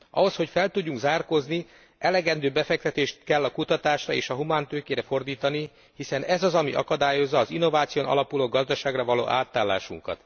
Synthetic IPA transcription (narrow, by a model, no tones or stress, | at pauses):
ʔɒ̰ɦo̞sho̞cfɛlt̪uɟːuŋɡzaːrko̞zni | ʔɛlɛɡɛnd̪øːbɛfɛk̚t̪ɛt̪eːʃt̪kɛlːɒkut̪ɒt̪aːʃrɒeːʃɒɦumaːnt̪øːkeːɾɛfo̞rd̪iːt̪ɒni | hisɛnɛzɒzɒmiʔɒ̰kɒd̪aːjo̞zːɒːzinːo̞vaːt̪sijonɒ̰lɒpuloːɡɒzd̪ɒʃaːɡrɒvɒlo̰ːʔaːt̪aːlːa̰ːʃṵŋkɒ̰t̪